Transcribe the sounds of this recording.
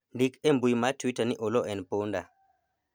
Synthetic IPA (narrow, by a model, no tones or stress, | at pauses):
ndikɛmbujmatwitaniʔɔlɔʔɛnponda̰